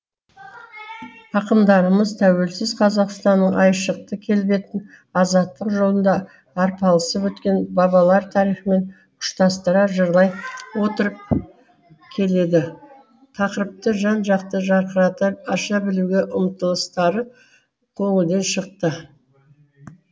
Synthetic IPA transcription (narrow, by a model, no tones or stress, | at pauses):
ɑqəmd̪ɑɾəməzt̪ʰæwe̞lsɪzqʰɑzɑqst̪ɑnːəɴʔɑjʃəq̚t̪əkʲʰe̞lbe̞t̪ɪn | ɑzɑt̪ːəqʒo̞lˠənd̪ɑː | ɾpʰɑlˠəsəpwɵt̪kʲe̞nbɑβɑlˠɑɾt̪ʰɑɾijχəme̞n | qʰʊ̥ʃt̪ɑst̪əɾɑʒəɾlˠɑjwo̞t̪əɾəp̚ | kʲʰe̞le̞d̪ɪ | t̪ʰɑqəɾəp̚t̪əʒɑnʒɑqt̪əʒɑəɾɑt̪ɑʃɑbɪluɡʲe̞ʔʊmt̪əlˠəst̪ɑɾə | qʰo̞ɴəd̪e̞nʃəq̚t̪ə